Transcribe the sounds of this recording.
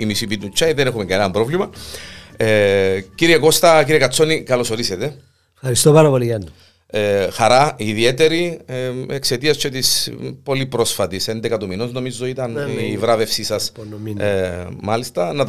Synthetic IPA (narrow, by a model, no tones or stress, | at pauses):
imisipit̪ut͡ʃːɐjiðenexumeɡɐnenɐmbɾo̞vlimɐ | eciɾieko̞st̪ɐciɾiekɐt͡sːo̞nikɐlo̞so̞ɾiset̪e̞ | fxɐɾist̪opɐɾɐpolijɐnː | exɐɾɐiðiet̪e̞ɾi | ekse̞t̪iɐst͡ʃʰot̪ispo̞lipɾo̞sfɐt̪isend̪ekɐt̪uminozno̞mizːo̞it̪ɐnivɾɐve̞fsisɐs | inmɐlist̪ɐnɐt̪